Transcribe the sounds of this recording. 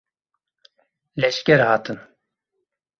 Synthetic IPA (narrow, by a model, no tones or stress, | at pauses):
lɛʃkʲɛɾhɑt̪ʰɨn